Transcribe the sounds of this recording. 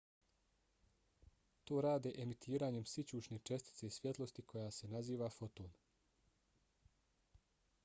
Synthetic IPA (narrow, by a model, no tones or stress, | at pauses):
t̪o̞ːɾaːd̪eʔemit̪ʰiːɾaːɲe̞msit͡ɕuːt͡ʃnet͡ʃe̞st̪i̥t̪se̞isʋje̞t̪lˠo̞st̪ikʰo̞jase̞naziːʋafo̞t̪o̞ːn